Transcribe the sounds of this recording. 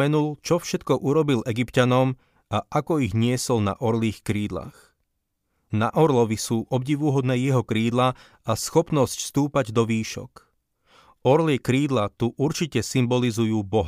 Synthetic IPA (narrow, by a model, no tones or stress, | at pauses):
ɛnult͡ʃɔfʃɛt̪kɔʔuɾɔbilɛɡipcanɔm | aʔakɔiɣɲɪɛsɔlna̰ʔɔɾliːxkɾiːd̪la̰ːx | na̰ʔɔɾlɔʋisuːʔɔbɟiʋuɦɔd̪nɛːjɛɦɔkɾiːd̪la | asxɔpnɔscst̪uːpaɟd̪ɔʋiːʃɔ̰k | ɔɾlɪɛkɾiːd̪lat̪uʔuɾt͡ʃicɛsimbɔlizujuːbɔɦa